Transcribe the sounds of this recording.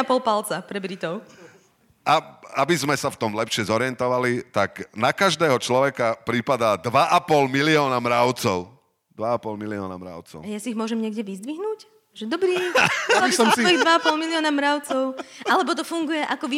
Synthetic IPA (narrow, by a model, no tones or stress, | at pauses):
apɔlˠpalt͡sapɾɛbɾit̪ɔʊ | aabizmɛsaft̪ɔmlɛpʃɪɛzɔɾɪɛnt̪ɔʋalit̪aknakaʒd̪ɛːɦɔt͡ʃlɔʋɛkapɾipad̪aːd̪ʋaʔapɔlmiliɔːnamɾaʊt͡sɔʊ | d̪ʋaapɔlmiliɔːnamɾa̰ʊt͡sɔ̰ʊajasiiɣmʊɔʒɛmɲɪɛɡɟɛʋizd̪ʋiɦnuːc | ʒɛd̪ɔbɾiːaisɔid̪ʋaapɔlˠmiliɪɔːnamɾaʊt͡sɔʊʔalɛbɔt̪̬ɔfuŋɡujɛʔakɔʋi